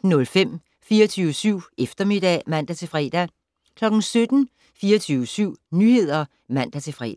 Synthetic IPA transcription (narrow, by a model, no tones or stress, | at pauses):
nɔ̽lfem̰ | fiːɐɒt͡sʰyːʊəsyʊ̰efd̥ɐme̝d̥ɛ̰mæn̰d̥æt͡sʰe̝fʁɛ̰ːd̥æ | kʰlɒ̽ɡ̥n̩sød̥n̩ | fiːɐt͡sʰyːʊəsyʊ̰nyːhe̝ð̞̰ˠɐ | mæn̰d̥æt͡sʰe̝fʁɛ̰ː